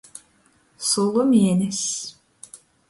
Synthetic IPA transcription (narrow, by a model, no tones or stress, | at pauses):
solˠumjenis